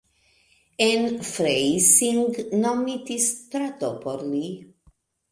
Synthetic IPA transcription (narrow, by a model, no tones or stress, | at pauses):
ɛ̃nfɾejsĩŋɡnɔmit̪ist̪ɾat̪opʰɔɾli